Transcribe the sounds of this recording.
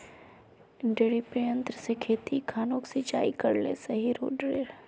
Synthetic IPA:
ɖeɽipɾijə̃nt̪ɾsekʰeːt̪ikʰaːnõːksɪt͡ʃa̰ːikɐɾlḛsɐɦiɾo̰ːɖɾeːɾ

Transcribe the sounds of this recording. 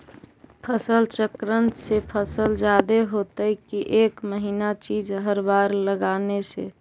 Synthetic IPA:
pʰəsəlt͡ʃəkɾənt̪sepʰəsəld͡ʒad̪eɦot̪əikiʔekməɦinat͡ʃid͡ʒɦəɾbaɾləɡanesḛ

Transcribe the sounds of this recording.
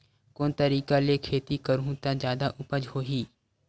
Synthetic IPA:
koːnt̪əɾiːkalekʰeːt̪ikəɾũt̪ad͡ʒjaːd̪aʔʊpəd͡ʒhoːɦiː

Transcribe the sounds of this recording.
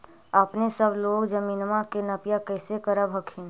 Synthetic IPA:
əpnesəbloːɡd͡ʒəmiːnmãkenəpjakɛːsekəɾəbɦəkʰɪn

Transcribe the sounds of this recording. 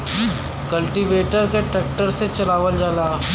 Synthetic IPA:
kɐlʈiʋeːʈəɾkeʈɛːk̚ʈəɾset͡ʃɐlaːʋəld͡ʒaːlaː

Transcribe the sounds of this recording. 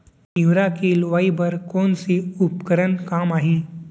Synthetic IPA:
iʋɾakilʋaibəɾkoːnsiupkəɾənkaːmaːɦĩ

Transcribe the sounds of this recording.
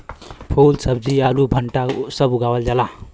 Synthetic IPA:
pʰolsʌb̚d͡zialubʱəɳʈasʌbuɡawəld͡ʒala

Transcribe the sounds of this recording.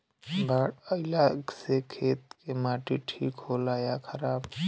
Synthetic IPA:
baɽəɪlaɡsekʰeːt̪̚kemaːʈiʈʰḭːkɦoːlajakʰəɾaːb

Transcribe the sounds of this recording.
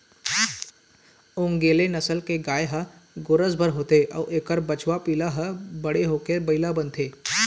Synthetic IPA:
õːŋɡeːlenɐsəlkeɡaːjɦəɡoɾəsbʱəɾɦoːt̪eʔɔːʔeːkəɾbət͡ʃwapiːlaɦəbəɽeɦoːkebɐɪlabənt̪eː

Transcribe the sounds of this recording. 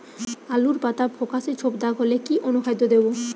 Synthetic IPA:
aluɾpat̪abʱokaʃet͡ɕʰobd̪aɡɦolekiʔonukʰajd̪od̪ebo

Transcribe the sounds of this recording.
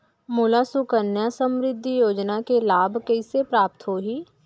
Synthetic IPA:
mulasʊkənjasə̃mɾɪd̪ʱːijoːd͡ʒnakelaːbkəisepɾaːp̚t̪ɦoːɦiː

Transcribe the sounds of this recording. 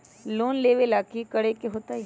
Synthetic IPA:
loːnleːʋelaːkikɐɽekeɦoːt̪a

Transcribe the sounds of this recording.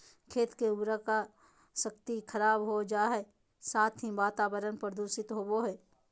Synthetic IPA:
kʰeːt̪keʊbɾəka | sək̚t̪ikʰəɾaːbɦod͡ʒaːɦɛ | saːt̪ʰɦĩʋaːt̪aːwəɾənpɾəd̪uːʃɪt̪ɦoboɦɛː

